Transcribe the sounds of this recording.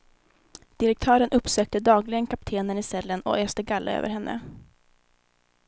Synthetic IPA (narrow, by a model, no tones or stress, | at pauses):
d̪̥ɪɾɛk̚t̪ʰœːɾənʔɵpsøːk̚t̪əd̪ɑːɡlɪɡənkʰap̚t̪ʰeːnənɪsɛlːənɔ̰ʔɛːst̪əɡalːə̰ø̰ːvə̰ɾɦɛnːʔə̰